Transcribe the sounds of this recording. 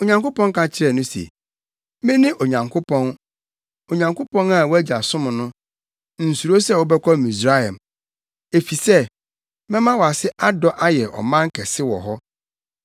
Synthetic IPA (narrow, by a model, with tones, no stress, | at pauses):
o˨ɲã˨ŋko˦pɔ̃˦ŋ˦kʰa˦t͡ɕʰɪ˦ɾɛ˨nʊ̃˦sḛ˨ | mɪ̃˦nɪ̃˦ʔo˨ɲã˨ŋkʰʊ˦pʰɔ̃˦n | o˨ɲã˨ŋkʊ˦pʰɔ̃˦na˦˨wɔ˦æ˦d͡ʑa˨sʊ̃˦m̃˨nʊ̃˦ | n̩˨su˨ɾo˦sɛ˦˨wɔ˦bɛ˦kʷʰɔ˦˨mĩ˨sɾa˦ɛ˨m | e˨fi˨sɛ˦ | mɛ̃˦mã˦wɔ˨a˨sɪ˦ʔa˦dɔ˦ʔa˦jɛ˨ʔɔ̰˨mã˦ŋ̩˦kʰɛ˨sɪ˦wɔ̰˨ɦɔ˦